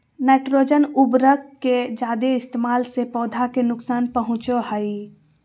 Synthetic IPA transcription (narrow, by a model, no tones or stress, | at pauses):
nɛːʈɾoːd͡ʒənʊbɾəkːed͡ʒaːd̪eɪst̪eːmaːlsepɔːd̪ʱakenʊksaːnpəɦʊ̃t͡ʃoɦəi